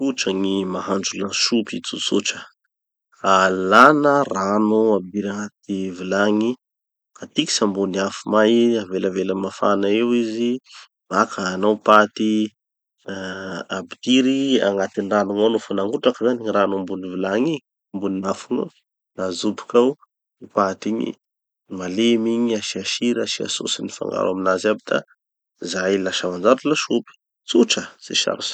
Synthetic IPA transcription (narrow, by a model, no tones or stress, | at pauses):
kuʈ͡ʂəŋimaɦand͡ʒulaʃupit͡sut͡suʈ͡ʂə̥ | alanəranuabd̪iɾaŋat̪ivilaŋi | kat̪iki̥sambuniafumajaveləveləmafanaewizi | makʰəːnawpat̪i | abid̪iɾia̰ŋɡat̪iniranuŋanufunaŋɡuʈ͡ʂakəzaniɲiɾanumbunivilaŋi | mbuninafuŋa | nazupi̥kaw | ipat̪iɲḭ | malemiɲiaʃiaʃiɾaʃia̰so̰sinifa̰ŋɡa̰ɾaminazabid̪̥a̰ | zailaʃamand͡ʒaɾulaʃupi̥ | t͡suʈ͡ʂəz̥ḛʃa̰ɾusḁ